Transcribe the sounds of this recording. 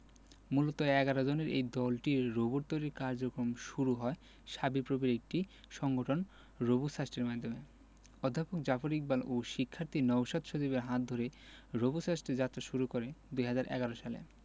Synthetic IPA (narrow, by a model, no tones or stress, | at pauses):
mulot̪oɛɡaɾod͡ʑoneɾḛjd̪ɔlʈiɾoboɾt̪oɾiɾkaɾd͡ʑokɾomʃuɾuɦɔe | ʃabipɾobiɾek̚ʈi | ʃɔŋɡoʈʰon | ɾobusasʈeɾmad̪ʱːome | od̪ʱːapok̚d͡ʑafoɾik̚baloʃikʰːaɾt̪ʰinɔwʃad̪ʃot͡ɕibeɾɦãt̪̚d̪ʱoɾeɾobusasʈed͡ʑat̪ːɾaʃuɾukoɾed̪ujɦad͡ʑaɾʔɛ̰ɡaɾoʃalḛ